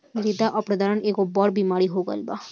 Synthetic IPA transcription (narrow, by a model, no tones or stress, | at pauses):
ɾid̪aʔɔpɾəd̪aːɾəneːkobɔːɽbiːmaːɾiɦoɡə̰lbaː